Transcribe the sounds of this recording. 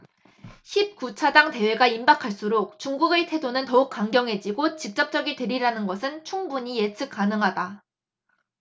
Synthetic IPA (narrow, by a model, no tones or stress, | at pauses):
çip̚kut͡ɕʰadaŋte̞we̞ɡaimbakʰaɭs͈uɾok̚t͡ɕuŋɡuɡeɭtʰe̞donɯntʌuk̚k͈aŋɡjʌŋɦe̞d͡ʑiɡot͡ɕik̚t͡ɕ͈ʌp̚t͡ɕ͈ʌɡitwe̞ɾiɾanɯnɡʌsʰɯnt͡ɕʰuŋbuɲijet͡ɕʰɯk̚k͈anɯŋɦada